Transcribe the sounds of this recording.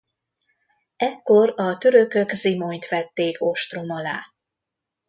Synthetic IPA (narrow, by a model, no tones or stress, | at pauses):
ɛkːo̞rɒt̪øɾøkøɡzimojt̪ʋɛt̪ːeːkoʃt̪romɒlaː